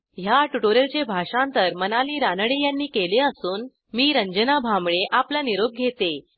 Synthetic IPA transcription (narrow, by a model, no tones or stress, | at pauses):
ɦjaʈuʈoɾelt͡ɕebʱaʂãnt̪əɾmənaliːɾanəɽejanːiːkeleəsuːn | miːɾəɲd͡ʑənabʱamɭeʔaplaniɾoɡ̚ɡʱet̪e